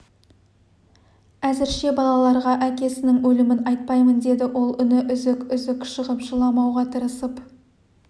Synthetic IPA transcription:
æzɪɾʃe̞bɑlˠɑlˠɑɾʁɑʔækʲe̞sɪnɪŋwɵlɪmɪnɑjt̪̚pɑjmənd̪e̞d̪ɪwʔo̞lˠʏnɪʔʏzɪkʏzɪkʃəʁəpʒəlˠɑmɑwʁɑt̪ʰəɾəsəp

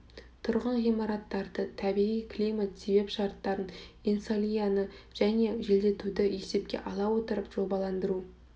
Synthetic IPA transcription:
t̪ʰʊɾʁɑnʁijmɑɾɑt̪ːɑɾd̪ət̪ʰæbiijkʰlʲijmat̪se̞be̞pʃɑɾt̪ːɑɾəninsolʲˠijanəʒ̥æne̞ʒe̞ld̪e̞t̪ud̪ɪje̞se̞p̚kʲe̞̰ʔɑlˠɑwo̞t̪əɾəpʒ̥o̞bɑlˠɑnd̪əɾu

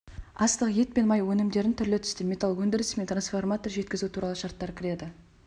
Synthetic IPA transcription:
ɑst̪əqje̞t̪̚pe̞nmɑjwɵnɪmd̪e̞ɾɪnt̪ʰʏɾlɪt̪ʰʏ̥st̪ɪmʲe̞t̪alˠkwɵnd̪ɪɾɪsɪmet̪ransformat̪orʒe̞t̪kʲɪzut̪ʰuɾɑlˠəʃɑɾt̪ːɑɾkʰʲɪɾe̞d̪ɪ

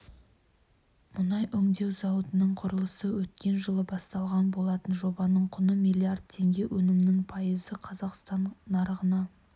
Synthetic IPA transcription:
mʊnɑjʔʏŋd̪e̞wzɑwət̪ənəɴqʰʊɾəlˠəsəwɵt̪̚kʲe̞nʒəlˠəbɑst̪ɑlˠʁɑnbo̞lˠɑt̪ənʒo̞bɑnəɴqʰʊnəmijlʲˠiard̪̚t̪ʰːe̞ŋɡʲe̞wʔɵnɪmnɪŋpʰɑjəzəqʰɑzɑqst̪ɑnːɑɾʁənɑ

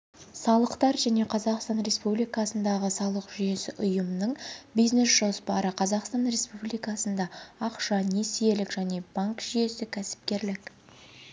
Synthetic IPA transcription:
sɑlˠəqt̪ɑɾʒæne̞qʰɑzɑqst̪ɑnɾe̞spublijkɑsənd̪ɑʁəsɑlˠəqʒ̥ʏje̞sɪʔʊjəmnəɴbijzne̞sʒo̞spɑɾəqʰɑzɑqst̪ɑnre̞spublijkɑsənd̪ɑːqʃɑne̞sije̞lɪkʒ̥æne̞b̥aŋkʒ̥ʏje̞sɪkʲʰæsɪ̥p̚kʲe̞ɾlɪk

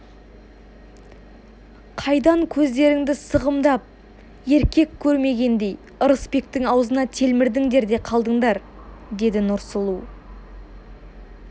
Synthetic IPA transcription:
qʰɑjd̪ɑŋkʲʰɵzd̪e̞ɾɪŋd̪ɪsəʁəmd̪ɑp̚ | e̞ɾkʲe̞kʲʰːɵɾme̞ɡʲe̞nd̪e̞j | əɾəspe̞k̚t̪ɪŋɑwzənɑt̪ʰe̞lmɪɾd̪ɪŋd̪e̞ɾd̪e̞qʰɑlˠd̪əɴd̪ɑɾ | d̪e̞d̪ɪnʊɾsəlˠuw

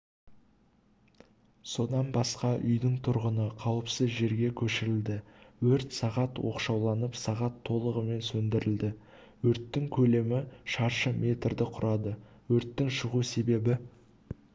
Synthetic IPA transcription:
so̞d̪ɑnbɑsqɑʔʏ̰jd̪ɪŋt̪ʰʊɾʁənəqʰɑwəpsəzʒe̞ɾɡʲe̞kʲʰɵʃɪɾɪld̪ɪwɵɾt̪sɑʁɑt̪wo̞̰qʃɑwlˠɑnəpsɑʁɑt̪ʰːo̞lˠəʁəme̞nsɵnd̪ɪɾɪld̪ɪ | wɵɾt̪ːɪŋkʲʰɵle̞mɪʃɑɾʃəmʲʔe̞t̪ɾd̪ɪqʰʊɾʔɑd̪ə | wɵɾt̪ːɪŋʃəʁuse̞be̞bɪ

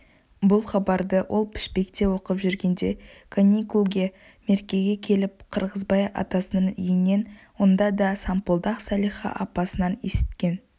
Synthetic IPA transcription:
bʊlˠχɑbɑɾd̪əwʔo̞lˠpʰɪ̥ʃpe̞kt̪e̞wo̞qəpʒʏɾɡʲe̞nd̪e̞kʰonʲikulˠɡʲe̞ | me̞ɾkʲe̞ɡʲe̞kʲʰe̞lɪp̚qʰəɾʁəzbɑjɑ̰t̪ɑsənəɴijɪnːe̞nwo̞nd̪ɑd̪ɑsɑmpolˠd̪ɑqsɑlijχɑ̰ʔɑpɑsənɑne̞sɪ̥t̪kʲe̞n

